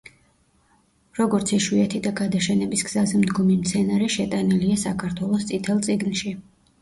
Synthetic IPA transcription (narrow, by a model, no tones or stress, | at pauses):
ɾɔɡɔɾt̪sʰiʃwiɛt̪ʰid̪aɡad̪aʃɛnɛbisɡz̥azɛmd̪ɡɔmimt̪sʰɛnaɾɛʃɛt̪ʼaniliasakʰaɾt̪ʰwɛlˠɔst̪sʼit̪ʰɛlˠt̪sʼiɡnʃi